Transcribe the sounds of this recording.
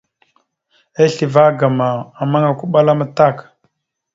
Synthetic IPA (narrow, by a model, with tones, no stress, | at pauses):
e˦ɬi˨va˦ɡa˨ma˨a˨ma˦ŋa˨ku˦ɓa˦la˦ma˦ta˦˨k